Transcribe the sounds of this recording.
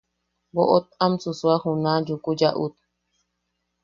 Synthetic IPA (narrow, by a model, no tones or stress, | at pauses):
boʔot̪̚amsusuahunad͡ʒukud͡ʒaʔṵt̪̚